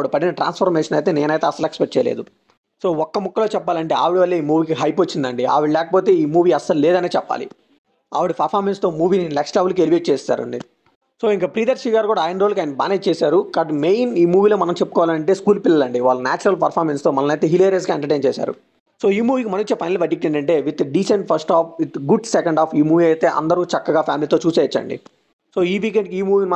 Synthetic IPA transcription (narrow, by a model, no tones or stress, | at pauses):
aʋiɽipɐɽinɐʈɾa̰ːnspʰɐɾmɛːʂɐnɐjt̪e̞ːneːnɐjt̪e̞ːɐsːɐluekspeʈ̚t͡ʃɛjɐlḛːd̪u | so̞ːɔkːɐmukːɐlo̞ːt͡ʃɛpːaːlɐɳʈe̞ːa̰ːʋiɽiʋɐlːeiːmuːʋiːkiɦɐjpot͡ʃːind̪ɐɳɖia̰ːʋiɽlɛːkɐpo̞ːt̪e̞ːiːmuːʋiːɐsɐlleːd̪ɐne̞ːt͡ʃɛpːa̰ːlḭ | a̰ːʋiɽipɐɾpʰaːɾmenst̪o̞ːmuːʋiːninɛksʈlɐʋɐlɐkeliʋeʈ̚t͡ʃeːst̪ːa̰ːɾɐ̰ɳɖi | so̞ːiŋkaːpɾiːd̪ɐɾsiːɡaːɾkuːɽaːjinɾoːlɐkaːjinɐbaːnet͡ʃt͡ʃeːsaːɾukɐɖmeːjniːmuːʋiːloːmɐnɐmt͡ʃepːukɔːʋalanɐɳʈe̞ːskuːlpilːɐlɐɳɖiʋaːɭːɐnaːt͡ʃɐɾɐlpɐɾpʰaːɾmenst̪o̞ːmɐlɐnɐjt̪eːɦileːɾes̬ɡaːeɳʈɐɾʈeːnt͡ʃɛːsa̰ːɾṵ | so̞ːiːmuːʋiːkimɐnɐit͡ʃːɐpʰɐjnlɐbɐʈːik̚ʈːeɳɖɐɳʈe̞ːʋit̪ɖiːseɳʈpʰɐɾsʈaːpit̪ɡuɖsekɐɳɖaːpʰiːmuːʋiɐjt̪e̞ːʔɐ̰nd̪ɐɾut͡ʃɐkːɐɡaːpʰjaːmiliːt̪o̞ːt͡ʃuːseːit͡ʃːɐ̰ɳɖḭ | so̞ːiːʋiːk̬eɳɖkiiːmuːʋiːnimɐ